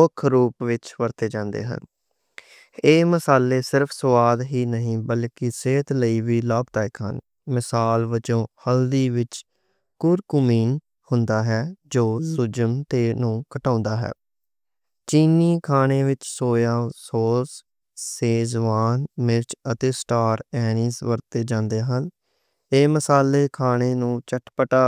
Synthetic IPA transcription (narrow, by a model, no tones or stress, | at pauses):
ʊkʰɾuːpʋɪt͡ʃʋəɾt̪eːd͡ʒãːnd̪ḛːɦə̰n | eːməsaːleːsɪɾpʰsəʋaːd̪ɦiːnəɦĩːbəlkɪseːt̪ləiːʋiːlaːbt̪aːekə̰n | mɪsaːlʋət͡ʃõːhəld̪iːʋɪt͡ʃ | kʊɾkʊmiːn | hʊnd̪aːɦɛːd͡ʒoːzʊd͡ʒəmt̪eːnũːkəʈãːnd̪aːɦɛ̰ː | t͡ʃiːniːkʰaːñeːʋɪt͡ʃsoːjaːsoːs | seːzʋaːnmɪɾt͡ʃət̪eːsʈaːɾɛːnĩːsʋəɾt̪eːd͡ʒãːnd̪eːɦən | eːməsaːleːkʰaːɳeːnũːt͡ʃəʈpəʈaː